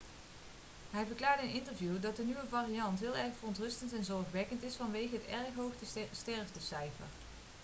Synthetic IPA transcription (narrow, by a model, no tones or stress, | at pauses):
ɦɛjvəɹklaːɹdəənɪntəɹvjudɑt̚dənyʋəvaːrijɑntɦɪːlˠɛɹχfərɔntrɵstəntɛnzɔɹχʋɛkəntɪsfɑnʋejɣəɦətɛɹχɦowχtəstɛɹvdəsɛjfə̰ɹ